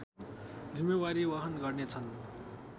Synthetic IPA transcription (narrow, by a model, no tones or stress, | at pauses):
d͡zimːewaɾibʌɦʌnɡʌrnet͡sʰʌn